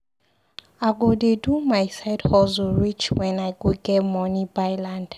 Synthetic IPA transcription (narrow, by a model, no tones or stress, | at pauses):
aɡodedumajsajdhɔzɔɹit͡ʃwɛnajɡuɡɛmɔnibajland̥